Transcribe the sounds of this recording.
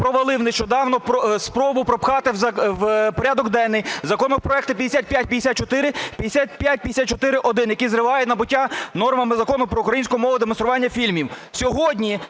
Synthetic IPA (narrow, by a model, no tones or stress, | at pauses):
pɾɔʋelˠɪwneʃt͡ʃɔd̪ɑwnɔpɔspɾɔbʊpɾɔpxɑt̪ɪzɐwpɔɾʲad̪ɔɡd̪ɛnːɪjzɐkɔnɔpɾɔɛkt̪ɪpʲɐd̪ʲesʲat̪̚pʲjat̚ʲpʲɐd̪ʲesʲat̪̚t͡ʃɔt̪ɪɾɪpʲjɐd̪esʲat̪̚pʲjat̚ʲpʲjd̪ʲsʲat̪̚t͡ʃɔt̪ɪɾɪʔɔd̪ɪnjɐkizɾɪʋɑjɛnɐbʊtʲːanɔrmɐmɪzɐkɔnʊpɾɔukɾɐjinʲsʲkɔɔmɔʋʊd̪emɔnst̪ɾʊʋɑnʲːɐfʲilʲmʲiwsʲɔɦɔdʲnʲi